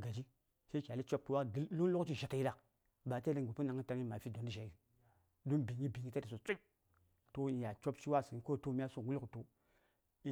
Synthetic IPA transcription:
ɡa˨d͡ʒi˦ | sa˦kʲa˨li˦t͡ʃo˦p̚ku˨˦wa˦lu˦n˦lo˦kt͡ʃi˦ʒa˨ka˨ji˦la˨ | ba˨te˦i˦ŋ˨u˨pu˦na˨ŋi˦ta˧ŋi˦ma˨fi˦do˨ndi˦ʒa˨ji˨ | du˦bi˨ɲi˦bi˨ŋi˦ta˦ti˨so˨t͡so˦ | to˦i˨ja˨t͡ʃo˦pt͡ʃi˦wa˦si˨i˦ko˦to˦m˦a˦so˦˨ɡu˦lkto˨ | i˦

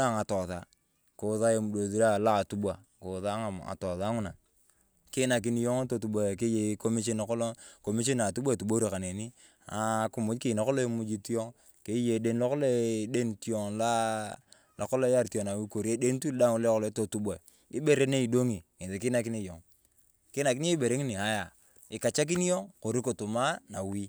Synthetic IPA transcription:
a˦˨ŋa˨tɔ˨ða˨ | ko˨ða˦e˨mu˨do˨ði˦ɾa˦la˦˨tu˦bwa˨ | ko˨ða˦ŋa˨a̰˨tɔ˨ða˦ŋʊ˦na˨ | kɪ˦na˨k̬i˦ni˦jo˦ŋ˦to˨tu˨bʷa˨ke˦je˨˦ko˦mi˦ʃ̬e˦na˨kɔ˦lo˦ko˨mi˦ʃ̬e˦na˨tu˦ba˦˨tu˨ɓo˦ɾi˨ka˨ne˨ni˦ | a˨ku˦˨mʊ˦d͡ʒkɪ˨na˨kɔ˦lo˦e˦mu˦d͡ʒi˦ti˦o˦ŋ | ke˦je˨de˦nlo˦kɔ˦le˦de˦nti˦ɔ˨ŋla˦ | la˨kɔ˦lɔ˦ja˦ɾto˨na˨wi˦ko˨ɾi˦e˦de˦n˦tu˦lda˦ŋu˦le˦kɔ˨lɔ˨˦to˨tu˦ba˨ | i˦be˦ɾe˦ne˦i˨do˦ŋi˨ŋe˨te˨kɪ˦na˨k̬i˦ni˦˨jo˨ŋ | kɪ˦na˨ki˦ni˦i˦be˨ɾe˦ŋi˦ni˨a˨˦ja˨ | ɪ˨ka˨t͡ʃa˦k̬i˦ni˦jo˦ŋko˨ɾi˦ko˨tu˨ma˦na˨wi˦

